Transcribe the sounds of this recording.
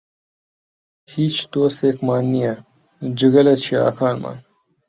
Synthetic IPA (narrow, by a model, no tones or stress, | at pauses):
hit͡ɕd̪oːst̪eːkmaːnːijɐ | d͡ʑuɡɐlɐt͡ɕʰia̰ːkʰaːlma̰ːn